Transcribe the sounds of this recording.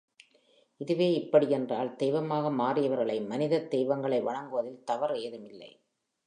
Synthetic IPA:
ʔɪðɯʋeːɪpːɐɽiɛndraːld̪ejʋɐmaːɣɐmaːrɪjɐʋɐɾɣɐɭɐɪmɐnɪðɐd̪ejʋɐŋɡɐɭɐɪʋɐɻɐŋɡɯʋɐðɪlt̪ɐʋɐɾeːðɯmɪlːɐ̰ɪ

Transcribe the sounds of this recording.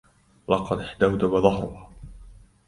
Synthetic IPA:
lɑqɑd̪ħd̪awd̪abaðˤɑhɾˤʊh

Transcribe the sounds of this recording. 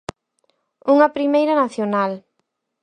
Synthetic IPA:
uŋɐpɾimejɾɐnaθjonal

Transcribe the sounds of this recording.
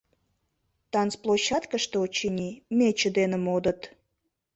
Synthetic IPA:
t̪ɑnt͡splˠoɕːɑt̪kəʃt̪eot͡ɕinʲimet͡ɕəd̪enəmod̪ət̪

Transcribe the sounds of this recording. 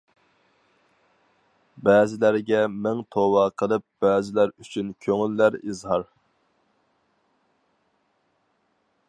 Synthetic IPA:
bɛːzɪlæɾɡʲɛmæŋt̪ʰowɑqʰəlˠɨp̚b̥ɛːzɪlæɾyt͡ʃʰynkʲʰøŋylːæɾizɦɑɾ

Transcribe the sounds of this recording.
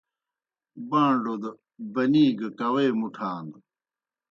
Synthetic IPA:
bãːɳɖod̪ | bɐniːɡɐkɐweːmuʈʰaːnd̪

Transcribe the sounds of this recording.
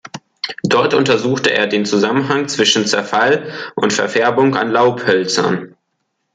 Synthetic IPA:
d̥ɔɐtʔʊntɐzuːxtəʔḛːɐdeːnt͡suzamənɦaŋt͡sv̥ɪʃn̩t͡sɛɐfalʔʊntfɛɐfɛɐbʊŋka̰nlaʊphœlt͡sɐ̰n

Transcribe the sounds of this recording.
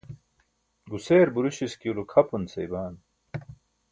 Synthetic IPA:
ɡuseːɾbuɾuɕiskiulukʰɐpunsɐjbaːn

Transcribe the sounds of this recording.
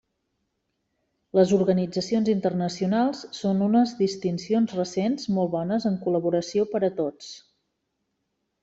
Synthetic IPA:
ləzuɾɣənid͡zəsionzint̪ərnəsiunalˠsːonunəzdist̪insionzrəsenzmɔlˠβɔnəzəŋkuləβuɾəsiopəɾət̪ot͡s

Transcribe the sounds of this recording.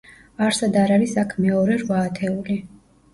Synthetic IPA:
aɾsad̪aɾaɾisakʰmɛɔɾɛɾvaːt̪ʰɛuli

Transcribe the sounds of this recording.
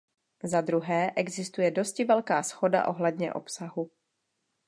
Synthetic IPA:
zad̪ɾuɦɛːʔɛɡzɪst̪ujɛdo̞scɪvɛlkaːsxo̞da̰ʔo̞ɦlɛdɲɛ̰ʔo̞̰psaɦu

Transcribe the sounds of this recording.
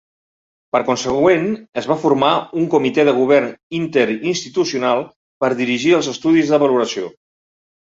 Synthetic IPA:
pəɾkunsəɣwenəzβ̞afuɾmauŋkumit̪ɛðəɣ̞uβ̞ɛrnint̪əɾinst̪it̪usiunalˠ | pəɾðiɾiʒiəlˠzəst̪uðizðəβəluɾəsio̰

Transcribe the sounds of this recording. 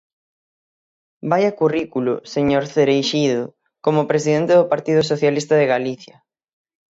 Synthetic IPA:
bajakurikulʊ̰seɲoɾθeɾejʃiðʊ | komʊpɾes̬iðent̪eðʊpaɾt̪iðʊs̬oθjalist̪aðeɣaliθjɐ

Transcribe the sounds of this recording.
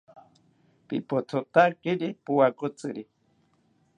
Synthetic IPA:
pḭpot̪ʰot̪akiɾipuwakot͡sʼɨɾi

